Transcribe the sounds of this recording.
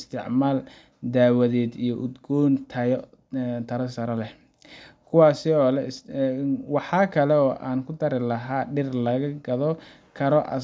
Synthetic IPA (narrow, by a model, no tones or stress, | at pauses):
st̪ʰɪʕmaːl | d̪aːwɐðɛːd̪ijɔʔʊd̪ɡɔːnt̪ʰɐjɔ | t̪ʰɐɾɐsɐɾɐlɛ | kʰʊwɑːsɪɔːlɛ | wɑħɑːkʰɐlɛɔːʔaːnkʰʊd̪ɐɾɪlɐɦaːɖɪrlɐɣɐɡɐðɔ | kʰɐɾɔʔɐ̰